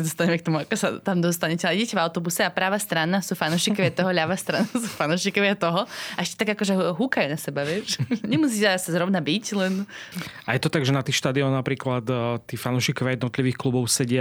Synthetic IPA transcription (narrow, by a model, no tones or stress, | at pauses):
ɛd̪ɔst̪aɲɛmɛk̚t̪ɔmuakɔsa̰t̪amd̪ɔst̪aɲɛcɛaliɟɛcɛvaʊt̪ɔbusɛapɾaːʋast̪ɾanasuːfanuʃiːkɔʋɪat̪ɔɦɔʎaʋast̪ɾanasuːfanuːʃikɔʋɪat̪ɔɦɔaʔɛʃcɛt̪aɡakɔʒɛɦukajunasɛbaʋɪɛʃɲɛmus̬iːcɛasazɾɔʋnabiclɛnajɛt̪ɔt̪aɡʒɛnat̪iːxʃt̪ad̪iɔnːapɾiːklat̪t̪ːiːfanuʃikɔʋjajɛd̪nɔt̪liʋiːxklubɔʊsɛɟɪa